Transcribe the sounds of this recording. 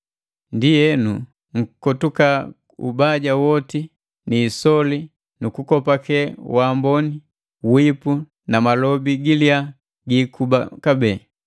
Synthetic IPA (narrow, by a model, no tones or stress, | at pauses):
ndijɛnu | ŋ̩kɔtuka | ṵbaɟawɔti | niːsɔli | nukukɔpakɛwambɔni | wipu | namalɔbiɡilia | ɡikubakabɛː